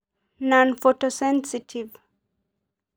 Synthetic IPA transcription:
nɔ̃nfɔtɔsɛ̃nsitʰiv

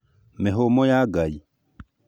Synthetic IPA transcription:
mɛɦomɔjaɡai

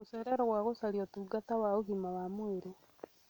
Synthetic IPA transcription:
useɾeɾoɣwaːɣosaliotuɡatawauɣimawamweɾo

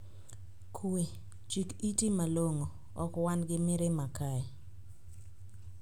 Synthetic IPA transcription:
kʰwe | t͡ʃikitimaloŋo | ɔkwanɡɪmɪɾɪmakaɛ

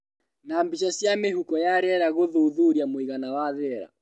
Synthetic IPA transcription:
naːmbiʃasiameɦukɔjaɾɛɾaɣoðuðuɾiamoiɣanawaðɛɾa̰

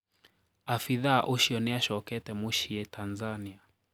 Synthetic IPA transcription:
afiðaʔuʃiɔnɛaʃɔkɛtɛmuʃiɛtʰanzania

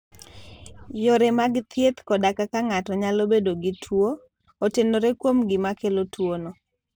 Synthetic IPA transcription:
joɾemaɡt̪ʰjet̪kɔdakakaŋatɔɲalobedoɡɪtʰwo | otendoɾekwomɡɪmakelotʰwonɔ

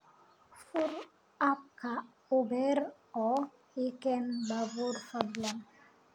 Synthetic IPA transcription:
fuɾ | ap̚kʰa | ubɛɾ | ɔ | ikɛnbavuɾfadlaŋ

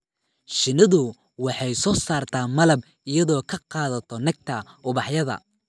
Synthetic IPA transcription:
ʃɪnɐðʊ | wɑħɑjsɔːsaːrt̪ʰaːmɐlɐb | ɪjɐðɔːkʰɐqɑːðɐt̪ʰɔnɐɡ̚t̪ʰɐʔʊβɑħjɐðɐ̰

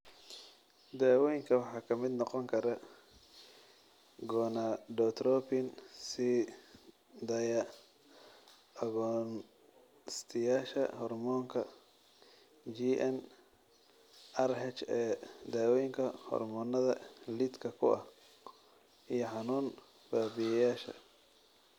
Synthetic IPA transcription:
d̪aːwɔjŋkʰɐwɑħɑːkʰɐmɪd̪nɔqɔŋkʰɐɾɐ | ɡɔːnaɖɔːt̪ʰrɔpɪnsi | d̪ɐjɐ | ɐɣɔn | st̪ʰɪjaːʃɐ̰hɔrmɔːŋkʰɐ | d͡ʒiʔɛn | ʔɐrɦɛt͡ʃɛːd̪aːwɔjɪŋkʰɐhɔ̰rmɔːnːɐðɐlid̪kʰɐkʰʊ̰ʔɐ̰h | ʔijɞħɑnuːn | b̥aːbɪjɐjaːʃɐ̰

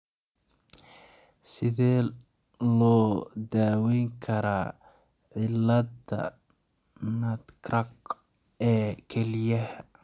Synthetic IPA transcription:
sɪðɛː | lɔːd̪aːwɛŋkʰɐɾaːʕɪlːɐd̪ɐ̰ | nɐd̪kʰrɐq | ɛːkʰɛlɪjɐhɐ

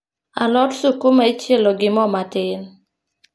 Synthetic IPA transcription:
a̰lɔtsukumait͡ʃjeloɡɪmɔmatɪn

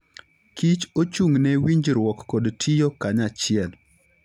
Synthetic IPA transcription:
kit͡ʃot͡ʃuŋnɛwiɲd͡ʒɾwɔkːɔdtʰijokaɲat͡ʃɪɛl

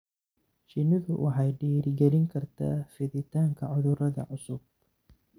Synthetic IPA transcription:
t͡ʃɪnɪðʊwʔɑħɑjɖiːɾɪɡɛɾɪŋkʰɐrt̪ʰa̰ːfɪðɪt̪ʰaːŋkʰɐʕʊðʊɾɐðɐ̰ʕʊsʊb̥̚

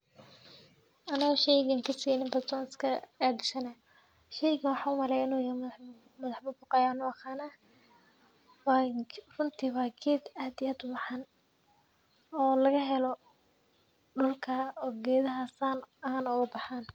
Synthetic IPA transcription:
ʔɐnɐɣɔʃɛjɣɐŋkʰɐsinɪmbɐrt̪ʰɔːnɪskʰɐaɖɪʃɐnɐ | ʃɛjɣɐnwɑħɑːʊmɐɾɛjɪnuːj | mɐðɑħbʊbʊqɑjaːnʊɐqaːna | warʊnt̪ʰiwɑːɡʰɛːd̪aːd̪ɪjaːd̪ʊbɑħan | ɔːlɐɣɐɦɛlɔ | ɖʊlkʰaɔːɡɛːðɐɦɐsaːnɐaːnʊɣɐbɑħaːn

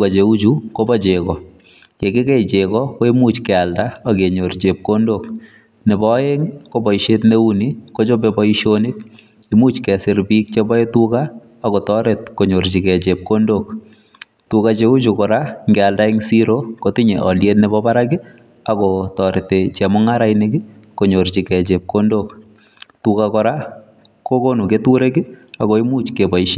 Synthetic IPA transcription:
kat͡ʃeut͡ʃukobɔt͡ʃekɔ | kekekɛt͡ʃekɔkoemut͡ʃkɛaldaakeɲort͡ʃep̚kondok | nebɔeŋkobɔiʃetneunikot͡ʃobebɔiʃonik | imut͡ʃkɛsɪɾbik̚t͡ʃebɔetukaː | kotɔɾetkoɲoɾt͡ʃikɛt͡ʃep̚kondok | tukat͡ʃeut͡ʃukɔɾaŋɡɛaldaɪŋsiɾokotiɲeʔɔljetnɛbɔbaɾakɪ | akɔtɔɾɪtet͡ʃɛmɔŋaɾajnɪki | koɲoɾt͡ʃikɛt͡ʃep̚kondok | tukakɔɾa | kokonuketuɾekiakoimut͡ʃkebɔiʃe

